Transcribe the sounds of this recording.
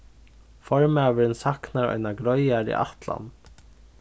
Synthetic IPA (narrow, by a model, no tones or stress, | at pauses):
fɔɹmaːʋəɾɪnsahknaɾɔ̰jnaɡɾɔjaɾḭʔa̰ht̪la̰n